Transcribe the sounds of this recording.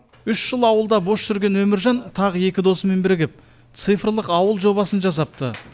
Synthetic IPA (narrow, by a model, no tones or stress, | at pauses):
ʏʃʒəlˠɑwəlˠd̪ɑbo̞sʒ̥ʏɾɡʲe̞nwɵmɪɾʒɑnt̪ʰɑʁəe̞kʲɪd̪o̞səme̞nbɪɾɡʲɪp̚ | t̪sɨjfrlˠəqɑwəlˠʒo̞βɑsənʒɑs̬ɑp̚t̪ə